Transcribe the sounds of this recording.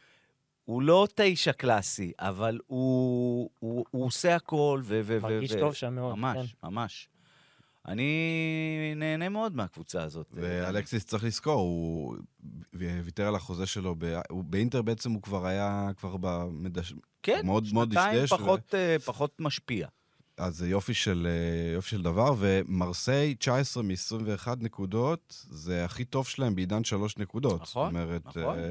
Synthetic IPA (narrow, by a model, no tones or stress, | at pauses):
ulo̞taiʃaklasiʔavalu | uuose̞ako̞lvevemeveovamemamaʃma̰maʃ | ʔa̰ni | ne̞ːne̞meo̞d̪meakvut͡saːzo̞t̪vealeksist͡sʁiχlisko̞ʁu | viteʁalaχo̞zeʃelo̞bea̰ubeinteʁbeet͡semukvaʁajakvaʁbamedaʃ | kemeodmeodiʃjeʃavotepaχo̞tmaʃpia̰ | ʔazejo̞fiʃelejofi̥ʃeld̪avaʁve̞maʁsejt͡ʃaesʁemeːsʁimve̞ːχad̪nekudo̞tzeaχito̞vʃelaembeidanʃalo̞ʃne̞kud̪o̞tsomeʁet̪